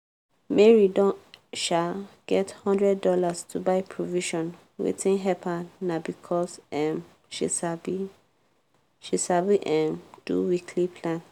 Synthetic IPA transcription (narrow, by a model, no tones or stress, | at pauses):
mɛɹidɔ̃ʃaɡ̥ɛthɔ̃ndɹɛdɔlastʰubaɪpʰɹoviʃɔ̃n | wḭtĩnɦɛpʰanabikʰɔsɛm | ʃisab | ʃisabiʔɛ̃md̥ṵwikʰlipʰlãn